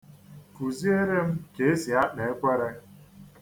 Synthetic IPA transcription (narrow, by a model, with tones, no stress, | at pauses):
fu˨zi˦e˦ɾe˦m̩˦ke˨e˦si˨a˦ɗa˨e˦kʷe˦ɾe˦